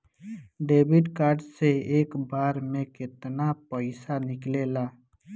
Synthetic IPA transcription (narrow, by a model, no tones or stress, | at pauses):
ɖeːbɪɖkaːɾɖseeːkbaːɾmẽkɪt̪napəɪsanɪklelaː